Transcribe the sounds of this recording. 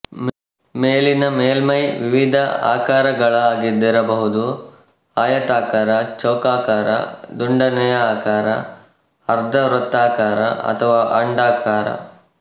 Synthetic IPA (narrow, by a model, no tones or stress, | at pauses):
meːlinɐmeːlmɐjʋiʋid̪ʱɐa̰ːkaːɾɐɡɐɭɐaːɡid̪iɾɐbɐɦud̪u | aːjɐt̪aːkaːɾɐt͡ʃɐwkaːkaːɾɐ̰d̪uɳɖɐnɛjɐaːkaːɾɐ̰ | ɐɾd̪ʱɐɾɐt̪ːaːkaːɾɐ̰ɐ̰t̪ʰɐʋaːʔɐɳɖaːkaːɾɐ̰